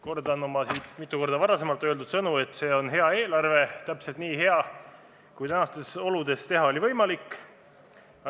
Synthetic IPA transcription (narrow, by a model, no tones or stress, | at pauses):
kord̪ɑnːomɑsiːt̪mit̪ˑːuko̞rd̪̥ɑvɑɾɑse̞mɑlt̪ːˑø̞ld̪ud̪sɤnue̞t̪ːˑse̞ːo̞nɦe̞ɑe̞ːlɑrve̞t̪æpse̞lt̪̚niːɦe̞ɑ | kujt̪ænɑst̪eso̞lud̪e̞st̪e̞ɦɑo̞livɤjmɑlikːˑ